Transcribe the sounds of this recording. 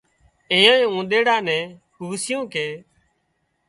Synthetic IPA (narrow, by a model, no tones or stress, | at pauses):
ẽːãːĩːũːɗ̪eːɽaːnɛ̃ː | huːsɪjõːkʰeː